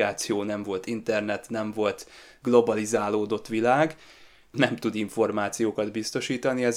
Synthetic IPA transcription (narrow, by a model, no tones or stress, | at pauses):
aːt̪sijoːnɛɱvo̞lt̪int̪ɛrnɛt̪nɛɱvo̞lt̪ | ɡlo̞bɒlizaːloːd̪o̞t̪ʋilaːɡ | nɛmt̪ud̪iɱfo̞rmaːt̪sijoːkɒd̪bist̪o̞ʃiːt̪ɒniɛz